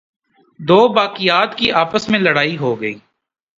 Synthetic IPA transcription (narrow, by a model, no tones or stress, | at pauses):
d̪oːbaːkɪjaːt̪kiʔaːpəsmẽləɽaːiɦoːɡəiː